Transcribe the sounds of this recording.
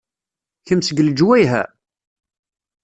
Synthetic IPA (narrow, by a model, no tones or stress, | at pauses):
çəmsəɡəld͡ʒwæjɦæ̰